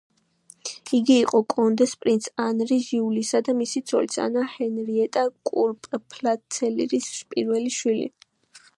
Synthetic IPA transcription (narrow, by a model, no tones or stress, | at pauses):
iɡiːqʼɔkʼɔnd̪ɛspʼɾint̪sʰanɾiʒiulisad̪amisit̪sʰɔ̰lisa̰nahɛnɾiɛt̪ʼakʼuɾpʼpʰʼlasʰɛlḭɾispʼḭɾvɛliʃwilḭ